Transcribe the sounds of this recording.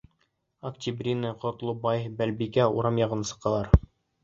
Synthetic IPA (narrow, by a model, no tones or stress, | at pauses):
ɐktʲibrʲinɤqŏt̪lˠobɑjbælbikæuɾɑmjɑʁɤ̆nɤsɤ̥̆qːɑlˠɑɾ